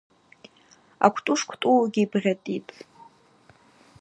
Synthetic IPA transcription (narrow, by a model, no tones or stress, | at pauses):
a̰kʷʰtʼuʂkʷʰtʼuɡʲibrʲatʼitʼ